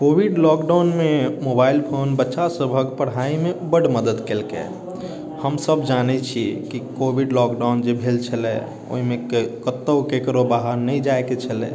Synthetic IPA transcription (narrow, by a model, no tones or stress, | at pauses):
kobʱiɖlɔkɖawnmemobailpʰonbətːʃasəbʱəkpəɽɦaimebəɽ̤məd̪əd̪kelkḛ | həmsəbd͡ʒanɛt͡ʃʰikikobʱiɖlɔkɖawnd͡ʒebʱelt͡ʃʰəlɛ̰ | o̰ɦimekkət̪ːəwkekɾobaɦəɾnəid͡ʒaeket͡ʃʰəlɛ̰